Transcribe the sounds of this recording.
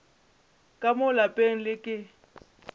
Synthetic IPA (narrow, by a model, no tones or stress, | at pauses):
kʼamʊlapʼeŋ̩lɪkʼɪ